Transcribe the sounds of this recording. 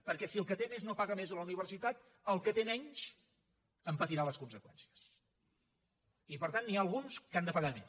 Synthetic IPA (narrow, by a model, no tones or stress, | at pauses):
pəɾkɛsiəlˠkət̪eneznopaɣəmezələuniβ̞əɾsit̪at̪ | əlˠkət̪enɛɲt͡ʃ | əmpət̪iɾaləskunsəkwɛnsi̥əs | ipəɾt̪anːialˠɣunskand̪əpəɣame